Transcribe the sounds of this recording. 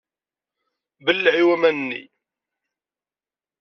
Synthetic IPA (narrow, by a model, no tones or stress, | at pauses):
bəlːʕiwæmænənːḭ